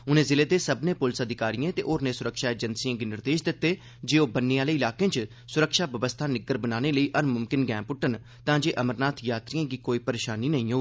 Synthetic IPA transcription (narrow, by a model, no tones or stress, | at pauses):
ʊnẽːzɪleːd̪eːsəbnẽːpʊlsəd̪ʱɪkaːɾijẽːt̪ḛːʔoːɾnẽːsʊɾəkʃaːeːd͡ʒənsijãːɡiːnɪɾd̪eːʃd̪ɪt̪ːeː | d͡ʒeːoːbənːeaːleːɪlaːkẽːt͡ʃ | sʊɾəkʃaːbəʋəst̪ʰaːnɪɡəɾbənaːneːləiːʔəɾmʊmkɪnɡɛ̃ːmpʊʈːən | t̪ãːd͡ʒeːʔəməɾnaːt̪ʰjaːt̪ɾijãːɡiːkoːiːpəɾeːʃaːniːnəĩːɦoː